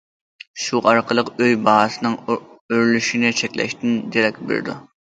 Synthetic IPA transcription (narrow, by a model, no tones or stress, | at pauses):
ʃuʔɑɾqʰəlˠəqøjbɑɦɑsɨnɨŋøɾlyʃinɪt͡ʃʰɛkʲlɛ̰ʃt̪ɪnd͡ʒ̪eɾɛkʲbḛɾd̪ṵ